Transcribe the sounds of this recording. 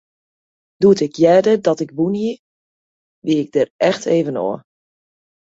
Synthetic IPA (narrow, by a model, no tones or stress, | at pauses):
d̥uətɪkjɛdədɔtɪkbuniə | ʋiɪɡ̚dərɛxtʰeːvəno̰ə